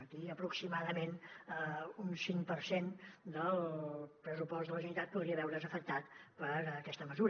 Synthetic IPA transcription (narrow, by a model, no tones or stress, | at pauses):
ət̪iəpɾuksimaðəmenəunsiŋpəɾsend̪əlˠpɾəsupɔsd̪ələʒunit̪at̪̚puðɾiəβɛwɾəzəfək̚t̪at̪pəɾəkɛst̪əməzuɾ